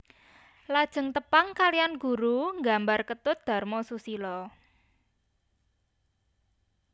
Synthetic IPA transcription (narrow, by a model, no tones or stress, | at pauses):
lad̥ʒ̥ə̤ŋt̪əpaŋkalianɡ̥ṳɾuŋɡa̤mbarkət̪ʊt̪̚d̪̥a̤rmɔsusilɔ